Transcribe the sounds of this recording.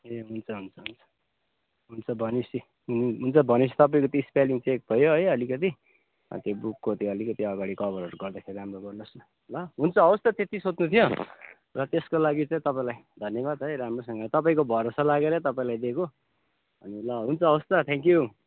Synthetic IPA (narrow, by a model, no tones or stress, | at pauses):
eɦunt͡sʰʌɦunt͡sʰʌɦunt͡sʰʌ̥ | ɦunt͡sʰʌbʱʌnisi | ɦuniɦunt͡sʰʌbʱʌnisi̥t̪ʌpaĩkʌt̪iːspaliŋt͡sek̚bʱʌjoɦʌjʌlikʌt̪i | ʌ̰t̪jobukːot̪jʌlikʌt̪iʌɡaɽikʌbʌɾʌɾuɡʌrd̪akʰeɾiɾamroɡʌrnʌs | lʌɦunt͡sʰʌːwʌst̪ʌt̪et̪isot͡s̪nut̪ʰijo | rʌt̪eskolaɡit͡sãĩt̪ʌpaĩlajd̪ʱʌnjʌβad̪ɦʌjɾamrosʌŋɡʌt̪ʌpaĩkobʱʌɾosalaɡeɾʌt̪ʌpaĩlajd̪eko | ʌ̰nilʌɦunt͡sʰʌːwʌst̪ʌt̪ʰẽŋkju